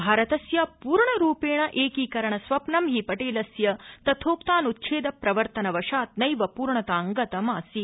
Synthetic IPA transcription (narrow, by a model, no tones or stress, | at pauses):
bʱaːɾɐt̪ɐsjɐpuːɾɳɐɾuːpeːɳɐʔeːkiːkɐɾɐɳɐsʋɐpnɐmɦipɐʈeːlɐsjɐt̪ɐt̪ʰoːpt̪aːnut̪̚t͡ʃʰeːd̪ɐpɾɐʋɐɾt̪ɐnɐʋɐʂaːt̪̚nɐjʋɐpuːɾɳɐt̪aːŋɡɐt̪ɐmaːsi